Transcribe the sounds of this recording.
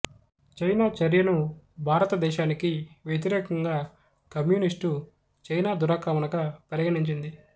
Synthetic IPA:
t͡ʃɐjnaːt͡ʃɐɾjɐnu | bʱaːɾɐt̪ɐd̪ɛːʃaːnikiʋjet̪̬iɾɛːkɐŋɡaː | kɐmjuːnisʈu | t͡ʃɐjnaːd̪uɾaːkaːmɐnɐkɐpɐɾiɡɐɽiɲt͡ʃind̪i

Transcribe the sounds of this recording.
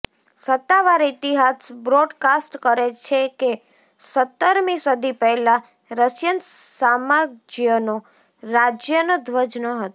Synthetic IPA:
sət̪ːaʋaɾit̪iɦasbɾoɖkasʈkəɾet͡ʃʰeke | sət̪ːəɾmisəd̪ʱipɛɦlã | ɾəsjənsamad͡ʒjəno | ɾad͡ʒjənəd̪ʋəd͡ʒnəɦət̪o

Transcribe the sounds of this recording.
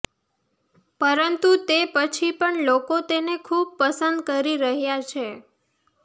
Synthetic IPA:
pəɾənt̪ut̪epət͡ʃʰipəɳlokot̪enekʰub̚pəsənd̪kəɾiɾəɦjat͡ʃʰe

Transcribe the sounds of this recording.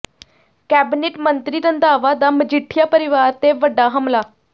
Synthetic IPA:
kæbineʈmənt̪ɾiɾənd̪aːʋad̪aməd͡ʑiʈʰjapəɾiʋaɾt̪eʋəɖaɦəmlaː

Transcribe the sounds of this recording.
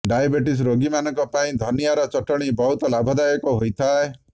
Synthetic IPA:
ɖajabeʈis̬ɾoɡimanɔ̃ŋkɔpaĩd̪ʱɔnijaɾɔt͡ʃɔʈɔɽ̃ibɔɦut̪ɔlabʱɔd̪ajɔkɔɦojt̪ʰae

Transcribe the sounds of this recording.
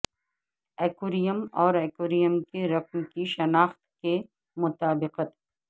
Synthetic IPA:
ɛːkuːɾijəmɔːɾɛːkoːɾijəmkeɾɐqmkiʃɐnaːxt̪ke | mʊt̪aːbɪqət̪

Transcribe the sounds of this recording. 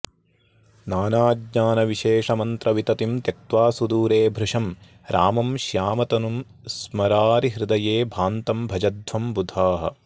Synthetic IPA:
naːnaːd̪ɲaːnɐʋiʃeːʂɐmɐnt̪ɾɐʋit̪ɐt̪imt̪et̪ʋaːsud̪uːɾeːbʱɾuʂɐm | ɾaːmɐmʃjaːmɐt̪ɐnum | smɐɾaːɾiɦɾɪd̪ɐjeːbʱaːnt̪ɐmbʱɐd͡ʒɐd̪ʱʋɐmbud̪ʱaːɦɐ̰̆

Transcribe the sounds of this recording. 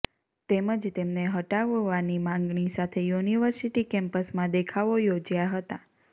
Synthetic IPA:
t̪eməd͡ʒt̪emneɦəʈaʋʋanimãŋɡɳisat̪ʰejuniʋəɾsiʈikɛ̃mpəsmãd̪ekʰaʋojod͡ʒjaɦət̪a

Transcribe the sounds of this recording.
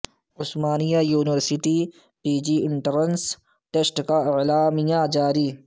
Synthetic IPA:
ʊsmaːnijajuːnɪʋəɾsɪʈiː | piːd͡ʒiːɪɳʈəɾəns | ʈesʈkaɪʕlaːmijãd͡ʒaːɾiː

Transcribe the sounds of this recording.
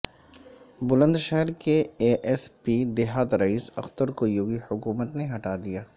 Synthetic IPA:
bʊlə̃nd̪ʃɛɦəɾkeeːʔɛspid̪ɪɦaːt̪ɾɐiːsɐ̰xt̪əɾkojoːɡihʊkuːmət̪neɦɐʈaːd̪ijaː

